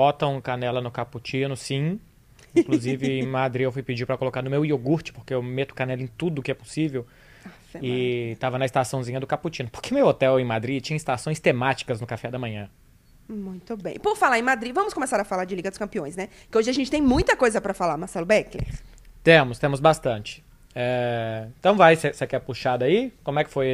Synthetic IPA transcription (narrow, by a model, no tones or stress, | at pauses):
bɔt̪ɐ̃w̃kanɛlɐnʊkaput͡ʃĩnʊsĩ | ĩkluzivɪẽj̃mad̪ɾiewfujpɪd͡ʒipɾɐkolokaɾnʊmewioɡuɾt͡ʃɪ̥poɾkeewmet̪ʊ̥kanɛlɐẽj̃t̪ud̪ʊːkɪɛpo̥sivew | a | ɛɪt̪avɐnɐɪst̪asɐ̃w̃zĩɲɐd̪ʊkaput͡ʃĩnʊpo̥ɾkeʊmewot̪ɛwẽj̃mad̪ɾit͡ʃĩɲɐist̪asõj̃st̪emat͡ʃi̥kɐznʊkafɛd̪ɐmɐ̃ɲɐ̃ | mũj̃t̪ʊbẽj̃pʊɾfalaɾẽj̃mad̪ɾivɐ̃mʊskõmesaɾɐfalaɾd͡ʒɪliɡɐd̪ʊ̥skɐ̃mpiõj̃snɛ | kɪoʒɪaʒẽnt͡ʃɪt̪ẽj̃mũj̃t̪ɐkojzɐpɾɐfalaɾmaɾsɛlʊbɛklḛɾt̪ẽmʊst̪ẽmʊzbast̪ɐ̃t͡ʃɪ̥ | ɛeẽt̪ɐ̃w̃vajsesekɛpuʃad̪aikõmʊɛkɪ̥foj